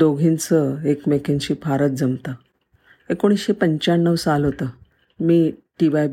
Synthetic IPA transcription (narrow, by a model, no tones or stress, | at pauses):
oɡʱint͡səekmekʰent͡ɕiːpʰaɾət̪̚d͡zəmt̪ə | ekoɽ̃isɕepəɲt͡ɕaɳːəʋsalɦot̪əː | miːʈiʋaj